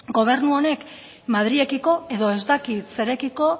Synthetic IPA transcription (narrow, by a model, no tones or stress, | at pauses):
ɡo̞β̞e̞ɾnuone̞k | maðɾie̞kiko̞e̞ðo̞e̞zd̪akit̪se̞ɾe̞kiko̞